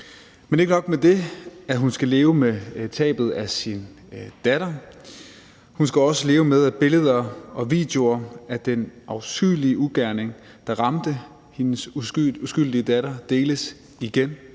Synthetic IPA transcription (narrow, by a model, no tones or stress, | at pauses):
mene̝ɡ̥ənɒ̽ɡ̥med̥e̝æɦunsɡ̥æle̝ːʊəmet͡sʰɛ̰ːb̥ð̞̩ˠæsin | d̥æɾ̥ɐ | hunsɡ̥æɒ̽səle̝ːʊəmeð̞ˠæb̥e̝ləð̞ˠɐɒ̽ʋḭd̥jo̝ɐæd̥enʔɑʊsɡ̥yliəʔuɡ̥æɐne̝ŋ | d̥ɑ̈ʁɑ̈md̥ə | he̝nəsusɡ̥yl̰d̥iəd̥æɾɐd̥e̝ːləs | iɡ̥en